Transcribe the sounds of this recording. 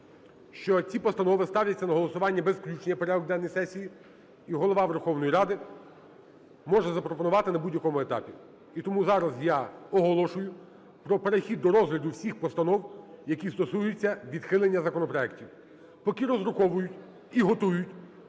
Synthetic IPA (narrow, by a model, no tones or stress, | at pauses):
ʃt͡ʃɔt͡sʲipɔst̪ɐnɔʋɪst̪ɑʋlʲɐt͡sʲːɐnɐɦɔlˠɔsʊʋɑnʲːɐbezklʲut͡ʃnʲijɐpeɾɛɔɡd̪ɛnːɔjsɛsʲiji | iɦɔlˠɔʋɑʋerxɔwnɔjiɾɑd̪ɪ | mɔʒɛzɐpɾɔpɔnʊʋɑt̪ɪnɐbudʲjɐkɔmʊet̪ɑ̰pʲi | it̪ɔmuzɑɾɐzjɑɔɦɔlˠɔʃʊjʊ | pɾɔpeɾexʲid̪ːɔɾɔzɦlʲɐd̪ʊwsʲixpɔst̪ɐnɔwjɐkʲist̪ɔsujʊt͡sʲːɐʋʲid̪xɪlˠenʲːɐzɐkɔnɔpɾɔɛktʲiw | pɔkiɾɔzɾʊxɔʋʊjʊtʲ | iɦɔt̪ujʊtʲ